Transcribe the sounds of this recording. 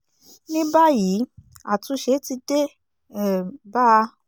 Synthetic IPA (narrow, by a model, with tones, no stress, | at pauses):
nĩ˦ba˦ji˨˦ | a˦˨tũ˧˦ʃe˧˦ti˧de˦˨ | ba˦˧